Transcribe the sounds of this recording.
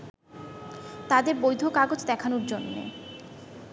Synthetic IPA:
t̪ad̪eɾbojd̪ʱokaɡod͡ʑd̪ɛkʰanoɾd͡ʑonːḛ

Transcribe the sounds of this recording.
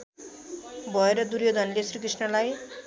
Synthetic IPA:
bʱʌeɾʌd̪uɾjod̪ʱʌnlesrikrisnʌlaj

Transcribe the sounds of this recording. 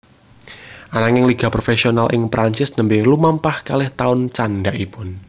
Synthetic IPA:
ʔanaŋɪŋliɡ̥a̤pɾofesionalʔɪŋpɾaɲt͡ʃɪsnəmbɪlumampahkalɪht̪aʊnt͡ʃanɖaʔipʊn

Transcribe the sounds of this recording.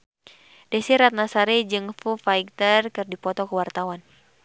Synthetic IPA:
dɛsiɾat̪̚nasaɾɛd͡ʒɨŋfufaik̚t̪ərkɨrdipɔt̪ɔkəwart̪awan

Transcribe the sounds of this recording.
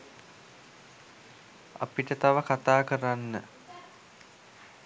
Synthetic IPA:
a̰piʈət̪aʋəkat̪aːkəɾanːə

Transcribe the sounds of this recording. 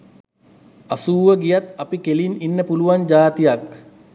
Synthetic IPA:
asuːʋəɡijat̪ɐpikelininːəpuluʋand͡ʒaːt̪ijak

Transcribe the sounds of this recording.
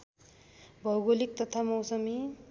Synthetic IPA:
bʱʌwɡolik̚t̪ʌt̪ʰamʌwsʌmi

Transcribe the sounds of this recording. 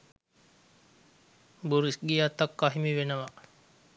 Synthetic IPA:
buɾisɡijat̪ːakːaɦimiʋenəʋa

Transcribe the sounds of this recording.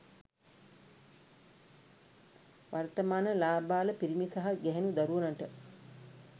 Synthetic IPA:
ʋart̪əmaːnəlaːbaːləpiɾimisaɦaɡɛɦenud̪aɾuʋənəʈə

